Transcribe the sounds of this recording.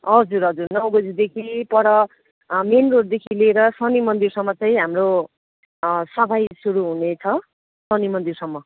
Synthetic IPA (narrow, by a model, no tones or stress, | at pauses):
ɦʌd͡zuɾɦʌd͡zurnʌwɡʌd͡zid̪ekʰipʌɾʌ | menroɾd̪ekʰileɾʌsʌnimʌnd̪irsʌmːʌt͡sʌj̃ɦamro | sʌbʰʱajsuɾuɦunet͡sʰʌ | sʌnimʌnd̪irsʌmːʌ